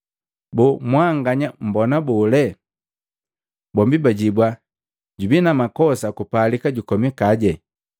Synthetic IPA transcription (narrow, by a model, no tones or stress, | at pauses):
bɔmwaŋɡaɲam̩bɔnabɔlɛ | bɔmbibaɟibwa | ɟubinamakɔsakupalikaɟukɔmikaɟɛ